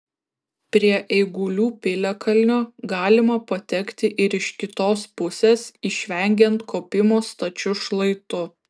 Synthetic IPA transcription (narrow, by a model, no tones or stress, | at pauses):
pʲɾʲiɛʔɛɪɡʊlʲuːpʲɪlʲɛkɐlʲnʲoːɡɑːlʲɪmɐpɐt̪ʲɛkt̪ʲɪʔɪɾɪʃkʲɪt̪oːspʊsʲeːsiʃʲʋʲɛŋʲɡʲɛnt̪kʰoːpʲɪmoːst̪ɐt͡ʃʲʊʃlˠɐɪt̪ʊ